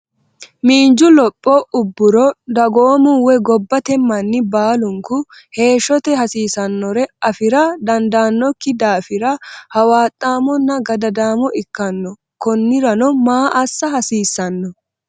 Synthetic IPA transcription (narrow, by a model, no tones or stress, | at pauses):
miːnd͡ʒʊlɔpʼːɔʊbːʊɾɔd̪ɐɡoːmʊwɛɡɔbːɐt̪ɛmːɐnːɪbaːlʊŋkʊ | he̞ːʃːɔt̪ɛhɐsiːsɐnːɔɾɛɐfɪɾɐd̪ɐnd̪aːnːɔkːɪd̪aːfɪɾɐhɐwaːt̪ʼːaːmɔnːɐɡɐd̪ɐd̪aːmɔʔɪkːɐnːɔ | kɔnːɪɾɐnɔmaːʔɐsːɐhɐsiːsːɐnːɔ